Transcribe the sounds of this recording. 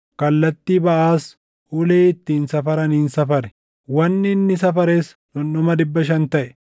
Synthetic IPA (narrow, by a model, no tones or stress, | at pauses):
kɐlːɐt̪ːiːbɐʔaːs | ʔʊleːɪt̪ːiːnsɐfɐɾɐniːnsɐfɐɾɛ̥ | wɐnːɪnːɪs̬ɐfɐɾeːs | nɔnːɔmɐd̪ɪbːɐʃɐnt̪ɐʔɛ̥